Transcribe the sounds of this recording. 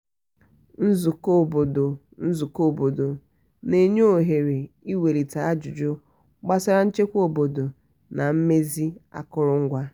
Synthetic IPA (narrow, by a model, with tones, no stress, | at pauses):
n̩˦zu˨ko˦˨bo˨do˨ | n̩˦zu˨ko˦bo˨do˨ | ne˨ɲ˦o˦˨ɦe˨ɾe˨i˦we˨ɾi˨ta˨a˦d͡ʒʊ˨d͡ʒo˦ | ɡ͡ba˦sa˦ɾa˦n̩˦t͡ʃe˦kʷo˨bo˨do˨ | na˨m̩˦me˦zi˦a̰˦kʊ˦ɾʊ˦ŋ̩˦ɡʷa˦